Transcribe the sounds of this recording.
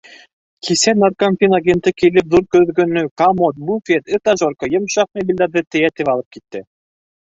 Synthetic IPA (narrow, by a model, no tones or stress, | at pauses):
kʰisænarkanfʲinaɡʲent̪ɤkilɘp̚ðuɾkɵ̆ðɡɵ̆nːɵkamot̪̚bufʲet̪ɘt̪aʒoɾkɤjemʃɑfnebʲilʲd̪æɾðɘt̪ɘ̆jæt̪ɘβɑlˠɤp̚kit̪ːɘ